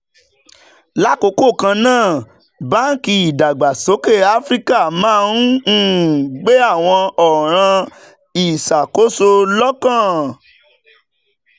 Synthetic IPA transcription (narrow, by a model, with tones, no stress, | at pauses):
la˦ko˧˦ko˦˨kã˧nãː˦˨ | ba˦n̩˦ki˧i˨da˨ɡ͡ba˨so˨˦ke˦˨a˦fɾi˦ka˦˨mãː˦˧ũ˦˨ɡ͡be˦a˦˨w̃ɔ̃˧ɔ˨ɾ̃ã˧ | i˨sa˨ko˨˦so˧lɔ˦kã˦˨